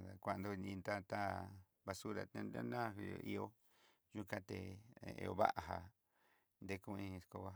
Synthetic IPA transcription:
a˨kʷa˧˨nd̪o˦˧nĩ˧nd̪a˦t̪a˦ | βa˧su˦ɾa̰˨˧t̪ẽ˧nd̪a̰˦nã˦˨ɦi˧o˨˧ʔi˦o˦ | ʒu˦kã˦t̪ḛ˧˨ḛ˧o˧βa̰˦ʔa˨ɦa˧ | nd̪e˦kũ˦ĩ˧sko˧βa˦

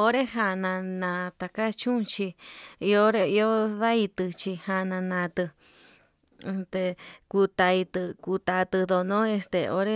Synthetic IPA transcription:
o˦ɾe˦ɦa˧nã˧nã˧t̪a˧ka˦t͡ʃũ˦˧t͡ʃi˧i˧o˦ɾe˧i˧o˦ða˦i˧t̪ɨ˧t͡ʃi˧ha˧nã˧nã˧t̪ɨ˧ | e˧t̪e˧ku˧t̪a˧i˧t̪ɨ˧ku˧t̪a˧t̪ɨ˧ðo˧nõ˦e˧st̪e˧o̰˦ɾe˦

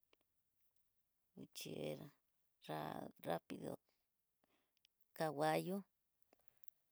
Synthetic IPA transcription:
wu˨t͡ʃe˨eɾa˨ | rara˦pi˨ðo̰ | ka˨wa˦jo˦

